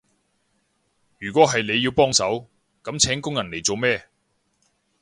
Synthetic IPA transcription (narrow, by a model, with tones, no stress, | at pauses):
jyː˨˩kʷɔː˨˥ɦɐ˨jne˨˧jːiː˧wpɔː˥ŋsɐ˨˥w | kɐ˨˥mt͡sʰɛː˨˥ŋkʊ˥ŋjɐ˨˩nle˨˩jt͡so˨wmɛː˥˧